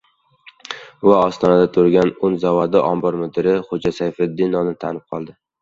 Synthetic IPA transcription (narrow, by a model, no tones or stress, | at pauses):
vaɒst̪ʰɒnad̪at̪ʰʊɾɡʲanʊnzavɒd̪ɪʔɒmbɒɾmʊd̪ɪɾɪχod͡ʒasajfɪd̪ːɪnːɒnɪt̪ʰanɪp̚qʰɒlˠd̪ɪ